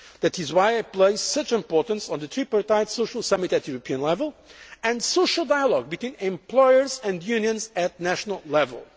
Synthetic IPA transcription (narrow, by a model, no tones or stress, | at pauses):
ðætɨzwaɪaɪpleɪsːʌt͡ʃɪ̃mpɔɹtə̃nsn̩ðɨt̪ʰɹipəɹt̪aɪtsoʊʃəlˠsʌmɨtɨtjuɾəpʰiə̃nlɛvəlˠɨ̃ndsoʊʃəl̩ˠdaɪjəlˠɔɡ̚bɨtʰw̥ĩnɛ̃mplɔɪəɹzɨ̃ndjʉ̃njɨ̃nzætnæʃnəlˠlɛvə̰lˠ